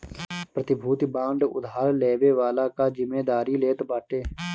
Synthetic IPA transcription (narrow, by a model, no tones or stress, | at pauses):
pɾət̪ɪbʱuːt̪bãːɳɖʊ̰d̪aːɾleːʋeːʋaːlaːkaːd͡ʒɪmːeːd̪aːɾiːleːt̪baːʈeː